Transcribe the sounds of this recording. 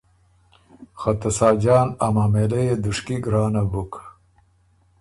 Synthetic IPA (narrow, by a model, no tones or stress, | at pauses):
xɐt̪ɐsaːd͡ʒaːnamaːmelejed̪uʂkiɡɾaːnabuk